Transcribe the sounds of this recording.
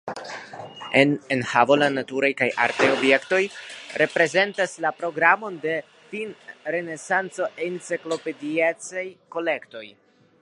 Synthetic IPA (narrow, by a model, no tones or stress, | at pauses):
enenhavo̞lanatuɾajkajʔa̰ɾtajo̞bje̞kto̞jɾʔe̞pɾe̞ze̞ntaslapɾo̞ɡɾamo̞nde̞ | finɾe̞ne̞sant͡so̞ʔent͡seklo̞pe̞diet͡sajko̞le̞kto̞j